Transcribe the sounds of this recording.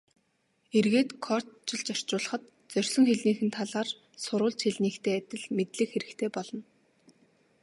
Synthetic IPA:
erɣeːt̪kʰɔr̥t̪t͡ɕɪ̆ɮt͡ɕœr̥t͡ɕʊːɮə̆χə̆t̪ | t͡sœrʲsɞ̆ŋxeɮniːxɘ̆nt̪ʰaɮaːr | sʊɾʊːɮt͡ɕxeɮniːkt̪ʰeːæt̪ʲɪ̆ɮmet̪ɮɘ̆kxeɾɘ̆kt̪ʰeːpɔɮɞ̆n

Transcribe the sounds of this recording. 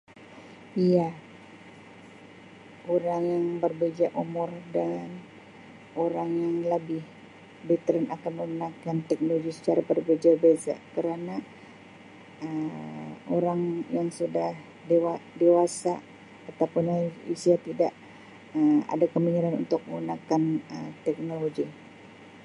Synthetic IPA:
ija | ʔoɾaŋjaŋbərbed͡ʒaʔumɔrdan | oɾaŋjaŋləbɪh | bɛt̪əɾɛnakanməmənakant̪ɛk̚noloɡisə̥t͡ʃaɾabərbed͡ʒabeza̰kəɾana | ə | oɾaŋjaŋsudah | dewadewasaː | t̪awpʊnaḭsiat̪idaʔ | əma̰dakəmiɲiɾanṵnt̪ʊk̚məunakanət̪ɛk̚noloɡi

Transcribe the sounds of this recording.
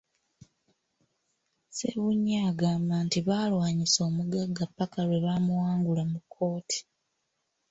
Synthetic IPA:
sḛβuɲːaːɡaːmbaːntiβaːlwaːɲiso̞ːmuɡaɡːapːakalwe̞βamuwaːŋɡulamukʰːo̞ːtʰi̥

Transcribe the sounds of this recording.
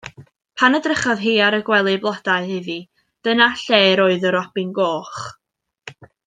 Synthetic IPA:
pʰanədrɪχɔðɦiːaɾəɡwɛlˠɨblˠad̥aɨhɪvi | d̥ənaɬeːɾoːɨðɔɾɔb̥ɪnɡoːχ

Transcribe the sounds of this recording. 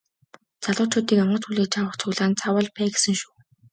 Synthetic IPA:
t͡saɮʊːt͡ɕʰʊːt̪iːkamɢə̆t͡sxuɮeːt͡ɕʰawə̆χt͡sʰʊɣɮaːnt͡sʰawə̆ɮpʰæːɡe̥sɘ̆ŋʃuː

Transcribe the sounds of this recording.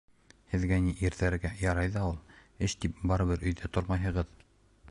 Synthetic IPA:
hɘ̆ðɡæniʔiɾðæɾɡæjɑɾɑjðɑulˠɘʃt̪ip̚bɑɾɤ̆βɤɾʔɵ̆jðæt̪oɾmɑjɦɤ̆ʁɤð

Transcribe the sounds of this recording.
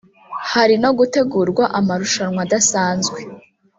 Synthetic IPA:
haɾino̞ɡute̞ɡuɾɡwaʔamaɾuʃanŋwadasaːnzɡwe̞

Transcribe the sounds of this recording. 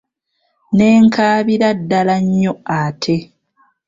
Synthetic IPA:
ne̞ːŋkʰaːβiɾadːalaɲːo̞aːtʰe̞

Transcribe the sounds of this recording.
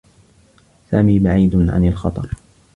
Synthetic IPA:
saːmiːbaʕiːd̪ʕa̰nɪlxɑt̪ˤɑɾˤ

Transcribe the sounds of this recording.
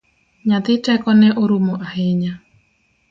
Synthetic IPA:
ɲat̪ɪtɛkɔnɛʔoɾumoʔaheɲa

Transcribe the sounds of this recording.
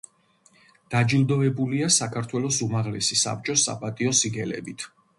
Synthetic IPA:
d̪̥ad͡ʒilˠd̪ɔɛbuliasakʰaɾt̪ʰwɛlɔsumaʁlɛsisa̰p̚t͡ʃʼɔsːa̰pʼat̪ʼiɔsiɡɛlɛ̰bit̪ʰ

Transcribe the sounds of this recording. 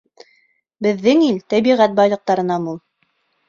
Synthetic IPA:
bɘ̆ðːɘŋilt̪æβiʁæt̪̚bɑjlˠɤ̆q̚t̪ɑɾɤ̆nɑmulˠ

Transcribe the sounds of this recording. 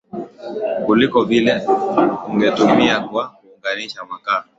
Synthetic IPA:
kulikɔvilɛ | uŋɡɛtumiakwakuːŋɡaniʃawaka

